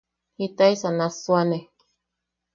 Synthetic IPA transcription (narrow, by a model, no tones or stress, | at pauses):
hit̪ajsanaswane